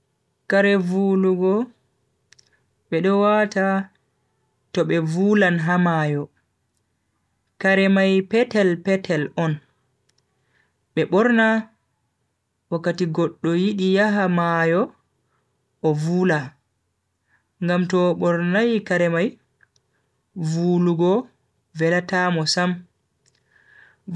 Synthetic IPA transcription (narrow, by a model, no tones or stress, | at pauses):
kaɾɛvuluɡɔ | ɓɛɗɔwata | tɔɓɛvuːlanɦamajɔ | kaɾɛmajpɛtɛlpɛtʰɛlɔn | ɓɛɓɔɾna | wakːatiɡɔɗːɔjiɗijaɦamajɔ | ʔɔvuːla | ŋɡamtɔɓɔɾnajkaɾɛmaj | vuluɡɔ | vɛlatamɔsam